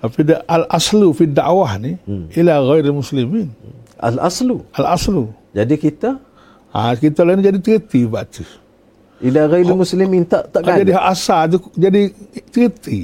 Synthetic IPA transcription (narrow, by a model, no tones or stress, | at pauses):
t̪apidaʔalʔaslufidaʔwahniilaɣajɾalmusliminʔa̰la̰sluʔalaslu | d͡ʒadikit̪a | akit̪alainid͡ʒadit̪ɾit̪ibaʔt̪u | ilaɣajɾamuslimint̪aʔt̪aʔad͡ʒadiɦaʔasat̪̬ud͡ʒadit̪əɾit̪i